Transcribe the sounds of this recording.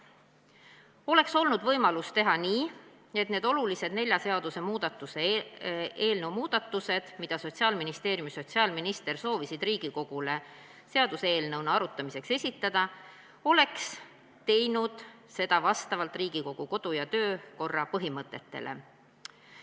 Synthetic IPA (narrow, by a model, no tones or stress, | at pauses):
o̞le̞kso̞lnud̪vɤjmɑlust̪e̞ɦɑniː | e̞t̪ne̞ːd̪̥o̞lulise̞d̪ne̞lʲjɑse̞ɑd̪̥use̞muːd̪̥ɑt̪ːˑuse | eːlnəwmuːd̪̥ɑt̪ːˑuse̞d̪̥mid̪̥ɑso̞tʲsiɑːlminist̪e̞ːɾjumiso̞t̪ʲsiɑːlminist̪e̞rso̞ːvisid̪riːɡ̥iko̞ɡ̥ule̞ | seɑd̪useeːlnɤwnɑɑɾut̪ːˑɑmise̞kse̞sʲit̪ːˑɑd̪̥ɑ | o̞le̞ks | t̪e̞jnud̪̥ | se̞d̪̥ɑvɑst̪ɑvɑlt̪ˑriːɡ̥iko̞kɡ̥uko̞d̪̥ujɑt̪ø̞ːko̞rːɑpɤɦimɤt̪ːˑe̞t̪ːe̞̰lʔḛ